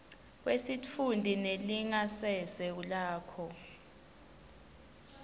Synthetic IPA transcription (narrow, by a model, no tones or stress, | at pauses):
kwesit͡fʰundʱineliŋasɛsɛulaːkʰɔ